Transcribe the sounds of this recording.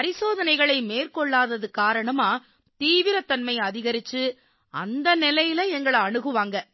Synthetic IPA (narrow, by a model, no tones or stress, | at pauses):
pɐɾɪsoːðɐnɐɪɣɐɭɐɪmeːrkɔɭːaːðɐðɯkaːɾɐɳɐmaː | t̪iːʋɪɾɐt̪ːɐnmɐɪɐðɪɣɐɾɪt͡ʃːɯ | ɐ̰nd̪ɐnɪlɐjɪlɐɛŋɡɐɭɐɳɯɣɯʋaːŋɡɐ